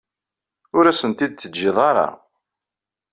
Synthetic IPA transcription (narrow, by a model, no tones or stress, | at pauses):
ʊɾæsənt̪id̪̚t͡sːəd̪d͡ʒːɪðˤɑɾˤɑ̰